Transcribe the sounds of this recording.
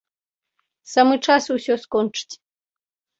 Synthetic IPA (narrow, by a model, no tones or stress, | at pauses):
samɨʈ͡ʂasusʲoskonʈ͡ʂtʲ